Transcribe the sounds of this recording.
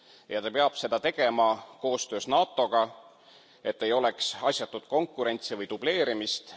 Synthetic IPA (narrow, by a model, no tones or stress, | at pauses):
jɑt̪ɑpeɑb̥se̞d̪̥ɑt̪e̞ɡ̥e̞mɑko̞ːst̪ø̞ːsnɑːt̪ːˑo̞ɡ̥ɑ | e̞t̪ːe̞jo̞le̞ksɑsʲjɑt̪ːˑud̪̥ko̞ŋkːˑuɾe̞nʲt̪sivɤjt̪ub̥le̞ːɾimist̪